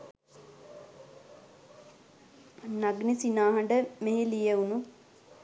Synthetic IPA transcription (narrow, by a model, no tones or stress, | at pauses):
naɡnisinaːɦəɳɖəmeɦilijeunu